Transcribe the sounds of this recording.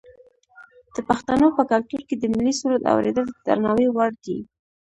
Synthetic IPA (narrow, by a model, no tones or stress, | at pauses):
d̪̥əpaxt̪anopəkalt̪uɾked̪əmilisuɾat̪a̰wɾḛd̪əld̪əd̪a̰ɾnɑwewaɽd̪i